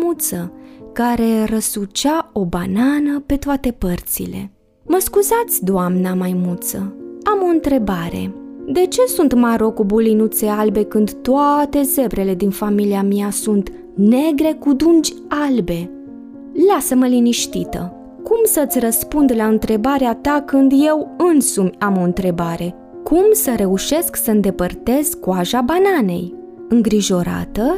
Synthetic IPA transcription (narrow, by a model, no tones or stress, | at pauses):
mut̪səkaɾe̞rəsut͡ʃao̞bananəpe̞t̪oat̪e̞pərt̪sḭle̞̰ | məskuzat̪sʲd̪oʊamnamajmut̪səamo̞ɨnt̪ɾe̞baɾe̞̰d̪e̞t͡ʃe̞sunt̪maɾo̞kubulinut̪se̞albe̞kɨnd̪t̪oat̪e̞ze̞bɾe̞le̞d̪infamiliamiasunt̪ | ne̞ɡɾe̞kud̪und͡ʒʲ | albe̞ | lasəməliniʃt̪it̪ə̰ | kumsət̪sʲrəspund̪laɨnt̪ɾe̞baɾeat̪akɨnd̪je̞wɨnsumʲamo̞ɨnt̪ɾe̞baɾe̞ | kʰumsəɾe̞uʃe̞sksəɨnd̪e̞pərt̪e̞z̥kuaʒabanane̞̰j | ɨŋɡɾiʒo̞ɾa̰t̪ə